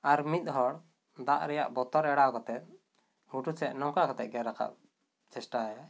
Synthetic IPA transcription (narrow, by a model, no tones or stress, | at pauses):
aɾmit̪̚ɦɔɽ | d̪aʔɾɛja̰ʔbɔt̪ɔɾɛɽakɔt̪ɛt̪̚ | ɡuʈut͡ʃɛʔnɔŋkakɔt̪ɛʔ̪̚ɡɛɾakʰa̰ʔ | t͡ʃɛsʈaaja